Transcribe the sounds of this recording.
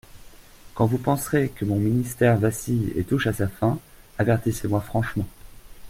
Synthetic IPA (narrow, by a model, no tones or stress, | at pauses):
kɑ̃vupɑ̃sχekəmɔ̃minist̪ɛʁvasijḛt̪uʃasafɛ̃ | avɛʁt̪isemwafχɑ̃ʃmɑ̃